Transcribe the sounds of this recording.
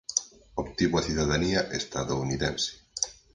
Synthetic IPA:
opt̪iβoaθuðaðaniaʔest̪a̰ðouniðɛnse̥

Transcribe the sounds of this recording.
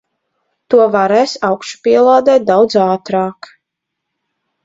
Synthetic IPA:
t̪uɔvaɾɛːsawkʃu̥piɛlˠaːd̪ɛːt̪̚d̪awd̪zaːt̪ɾɑːk

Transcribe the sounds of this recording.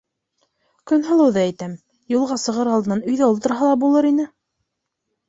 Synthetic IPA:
kɵnɦɤ̆lˠɤ̆wðɑæjt̪æm | julˠʁɑsɤ̆ʁɤɾɑlˠd̪ɤ̆nɑnɵ̆jðæulˠt̪ɤ̆ɾɦɑlˠɑbulˠɤɾinɘ

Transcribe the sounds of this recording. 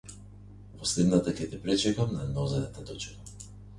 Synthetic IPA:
pɔslɛd̪nat̪akʲɛt̪ɛpɾɛt͡ʃɛkamnanɔzɛnat̪ad̪ɔt͡ʃka

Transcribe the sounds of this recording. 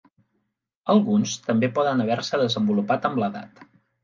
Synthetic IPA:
əlˠɣunst̪əmbepɔðənəβ̞ɛɾsəðəzəmbulupat̪əmləða̰t̪

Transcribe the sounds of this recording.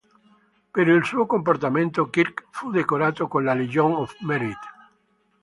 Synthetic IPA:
peɾilsuokomport̪amẽnt̪okiɾkfud̪ekoɾat̪okonlalid͡ʒoŋɔfmeɾit̪

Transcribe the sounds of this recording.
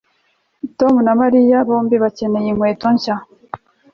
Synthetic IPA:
tomunamaɾijaβoːmbiβace̞ne̞jeŋweːtoɲca

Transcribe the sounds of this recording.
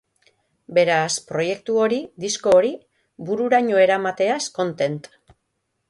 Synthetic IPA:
be̞ɾaspɾo̞je̞k̚t̪uo̞ɾid̪isko̞ːɾi | buɾuɾaɲo̞e̞ɾamat̪e̞asko̞nt̪e̞nt̪

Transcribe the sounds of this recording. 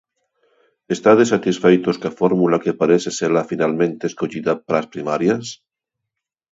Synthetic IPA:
est̪aðes̬at̪isfejt̪oskafoɾmulakepaɾeseseɾlafinalmẽnt̪eskoʎiðapaɾaspɾimaɾjas

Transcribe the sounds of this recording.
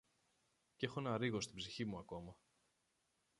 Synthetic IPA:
ce̞xo̞nɐɾiɣo̞st̪ibziçimuɐko̞mɐ

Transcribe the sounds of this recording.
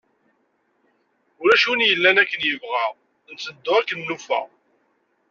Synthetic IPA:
ʊɾæʃunjəlːænækːənjəvʁæʁ | nt͡sːəd̪ːʊækːənːufæ̰

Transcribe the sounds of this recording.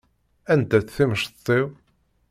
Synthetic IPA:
ænt̪æθθiməʃt̪ˤːiw

